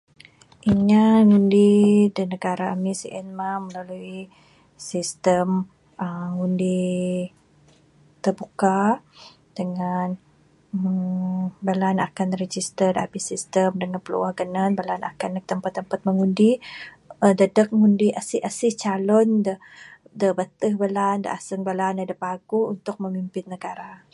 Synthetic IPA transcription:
ʔiɲaŋundidənəɡaɾaːmisiʔɛnmaməlalui | sist̪əm | əŋundi | t̪ərbuka | d̥əŋan | bəlanakanrəd͡ʒist̪ərda̰bisist̪əmdəŋanpəlṵahɡənanbəlana̰kant̪əmpat̪ːəmpat̪̚məŋundi | ədədək̚ŋundiʔəsiəsɪht͡ʃalɔndə | dəbət̪əhbəlandə̰ʔa̰səŋbəlanadəpaɡuunt̪ʊk̚məmimpɪnːəɡaɾa

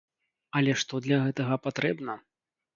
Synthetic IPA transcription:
ɐlʲɛʂt̪ɔd̪lʲɐɣɛt̪ɐɣɐpat̪ɾɛbnɐ

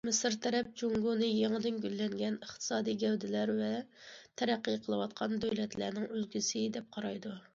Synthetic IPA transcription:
mɨsɪɾt̪ʰɛɾɛp̚d͡ʒoŋɡunɨjeŋɨd̪ɪnɡʲylːɛŋɡʲɛnəχt̪ʰɨ̥sɑːd̪ijɡʲɛwd̪ɪlæɾvɛt̪ʰɛɾæqːɨjqʰəlˠɨwɑt̪̚qʰɑnd̪øjlɛt̪lænɪŋølɡʲysɪd̪ɛp̚qʰɑɾɑjd̪u

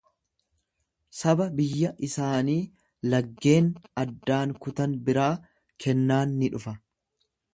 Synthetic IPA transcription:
sɐbɐbɪjːɐʔɪsaːniː | lɐɡːe̞ːnɐd̪ːaːŋkʊt̪ɐnbɪɾaː | kʰɛnːaːnːɪᶑʊfɐ

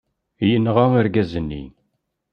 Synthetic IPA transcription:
jənːəʁaiɾɡæzənːḭ

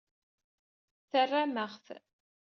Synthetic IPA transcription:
θərˤːaməʁθ

